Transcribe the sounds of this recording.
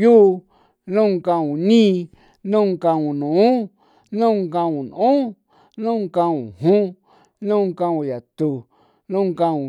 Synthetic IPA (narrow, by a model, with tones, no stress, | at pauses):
ju˦˧ | nũ˦˧kã˧ũ˨nĩ˦˧ | nũ˦˧ŋkã˧ũ˨nũ˨ũ˦ | nũ˦˧ŋkã˧ũ˨n˨ʔũ˦ | nũ˦˧ŋkã˧ũ˨hũ˦ | nũ˦˧ŋkã˧ũ˧ja˨t̪u˧ | nũ˦˧ŋkã˧ũ˨